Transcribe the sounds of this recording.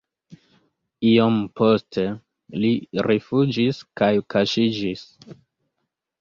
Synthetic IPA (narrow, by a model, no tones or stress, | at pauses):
iompo̞ste | liɾefud͡ʒiskajkaʃid͡ʒis